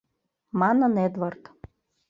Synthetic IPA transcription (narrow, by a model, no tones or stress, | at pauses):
mananed̪vart̪